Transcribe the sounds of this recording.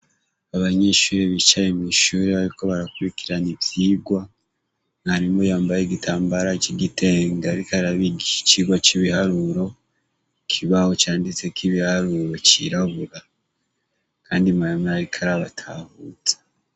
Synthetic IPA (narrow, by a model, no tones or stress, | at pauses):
aβaɲeːʃuɾeβit͡ʃaimiʃuːɾiβaɾiko̞βaɾakuɾikiɾaniβjiːɡwa | ŋhaɾimojaːmbajeɡitʰaːmbaɾat͡ʃiɡitʰeːŋɡaɾikaɾaβiɡit͡ʃiɡwat͡ʃiβihaɾuɾo̞ | kʰiβaho̞t͡ʃaːndit͡se̞kʰiβihaɾuːɾo̞t͡ʃiɾaβuɾa | kʰaːndimaamaaɾikʰaɾaβatʰahuzḁ